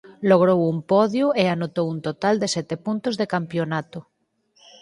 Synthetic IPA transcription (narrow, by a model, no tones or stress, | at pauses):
loɣ̞ɾowumpɔðjueanot̪owunt̪ot̪ald̪esɛt̪epunt̪ozðekampjonat̪o